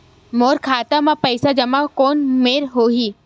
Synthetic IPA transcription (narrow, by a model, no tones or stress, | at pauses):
moːɾkʰaːt̪amãpəɪsad͡ʒɐmakoːnmeːɾɦoːɦiː